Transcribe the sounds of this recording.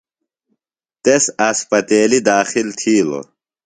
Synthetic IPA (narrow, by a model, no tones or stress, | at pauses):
t̪esɐspɐt̪eːlid̪aːxilt̪ʰiːlo̰